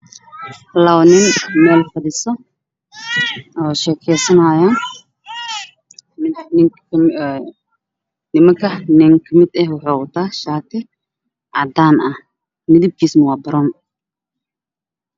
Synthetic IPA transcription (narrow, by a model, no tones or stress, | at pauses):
hlɐwnɪnmɛːlfɐd̪ɪsɔ | ʔɔːʃɛːkʰɛjsɐnaːjaːn | mɪnnɪŋkː | nɪmɐŋkʰɐnɪŋkʰɐmɪd̪ɛhwʊħoːʊt̪ʰaːʃaːt̪ʰɪ | ʔad̪aːnʔɐh | mɪd̪ɪb̚kʰiːsmʊwaːbɐɾɔːn